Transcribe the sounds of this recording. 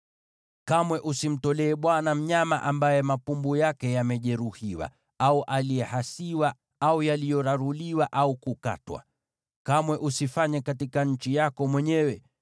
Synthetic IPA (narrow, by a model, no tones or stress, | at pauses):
kamwɛʔusim̩tɔlɛːɓwanam̩ɲamaʔambajɛmapumbujakɛjamɛʄɛɾuhiwa̰ | auʔaliɛhasiwa | aujalijɔɾaɾuliwaʔaukuka̰twa̰ | kamwɛʔusifaɲɛkatikaɲ̩t͡ʃijakɔmwɛɲɛwɛ